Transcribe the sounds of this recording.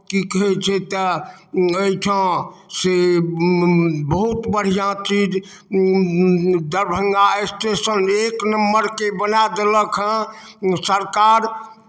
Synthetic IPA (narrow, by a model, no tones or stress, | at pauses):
kikəɦɛt͡ʃʰɛt̪ə | əit͡ʃʰə̃se | bəɦut̪bəɽ̤ijãt͡ʃid͡ʒ | d̪əɾbʱəŋɡaesʈesəneknəmːəɾkebənad̪eləkʰɦə̃ | səɾkaɾ